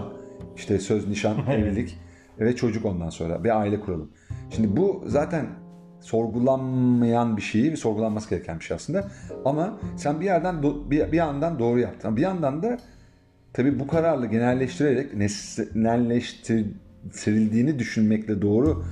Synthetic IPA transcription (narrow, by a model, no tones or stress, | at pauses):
iʃt̪ʰɛsøzniʃanevilʲic | vɛt͡ʃʰo̞d͡ʒuko̞nd̪anso̞nɾa̰biaːilʲɛkʰuɾalˠɯm | ʃimd̪ibuzaːt̪ʰæn | so̞ɾɡulˠanmajanbiʃe̞jivɛso̞ɾɡulˠanmasɯɟ̥ʲe̞ɾɛcʰænbiʃeja̰sˠɯnd̪aamasænbijæɾd̪ænd̪obibiand̪and̪o̞ːɾujapt̪ʰɯmambijand̪and̪a | t̪ʰabiːbukʰaɾaɾlˠaɟe̞nælʲːɛʃt̪ʰiɾeɾɛcnɛsnɛlʲːɛʃt̪ʰi | t̪ʰiɾilʲd̪iːnid̪yʃynmɛclʲɛd̪o̞ːɾu